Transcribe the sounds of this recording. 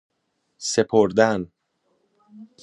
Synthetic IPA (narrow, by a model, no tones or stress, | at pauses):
se̞pʰoɾd̪æn